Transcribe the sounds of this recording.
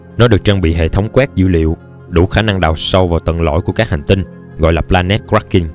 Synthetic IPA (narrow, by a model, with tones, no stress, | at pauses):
nɔ˨˦ɗɨ˨˩ək̚t͡ɕaː˧ŋɓḭ˧˨ɦḛ˧˨t̪ʰə˨˦wŋ͡mkwɛ˦˥t̚zɨ̰˧lḭ˧˨əw | ɗṵ˧˩˦xaː˧˩na˧ŋɗaː˨˩wsə˧wvaː˨˩wt̪wə̰˧˨˩nlo̰˧˨jku˧˩əkaː˦˥k̚ha˨˩jŋ̟t̪ï˧ŋ̟ | ɣɔ̰˧˨jlaː˨˩p̚laː˧nɛ˦˥t̚kɹa˦˥kːi˧ŋ